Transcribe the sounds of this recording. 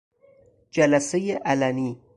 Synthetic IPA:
d͡ʒalasejeʔalani

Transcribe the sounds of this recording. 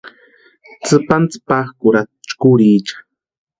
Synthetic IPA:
t͡sɨpant͡sɨ̥paχkuɾat͡ʃkuɾiːt͡ʃḁ

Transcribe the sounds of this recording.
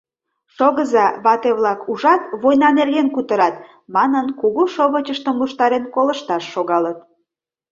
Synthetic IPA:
ʃoɣəzɑβɑt̪eβlɑkuʒɑt̪βojnɑnerɣenkut̪əɾɑt̪̚ | mɑnənkuɣuʃoβət͡ɕəʃt̪əmluʃt̪ɑɾenkoləʃt̪ɑʃːoɣɑlət̪̚

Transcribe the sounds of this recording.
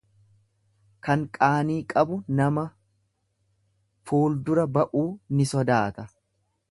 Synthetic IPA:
kɐŋkʼaːniːkʼɐbʊnɐmɐ | fuːld̪ʊɾɐbɐʔuːnɪsɔd̪aːt̪ɐ

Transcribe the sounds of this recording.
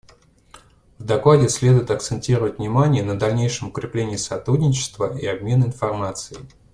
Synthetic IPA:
vd̪ɐklˠadʲɪsʲlʲe̞d̪ʊjɪt̪ɐk̚t̪sɨnʲtʲiɾəvətʲvnʲɪmanʲɪjənəd̪ɐlʲnʲejʂəmʊkɾʲɪplʲenʲɪjsɐt̪ɾudʲnʲɪt͡ɕɪ̥st̪vəʔiɐbmʲe̞nɪnfɐrmat̪sɨɪ

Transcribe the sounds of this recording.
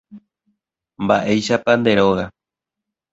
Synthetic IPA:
mbaʔe̞jʃapand̪e̞ɾo̞ɣa

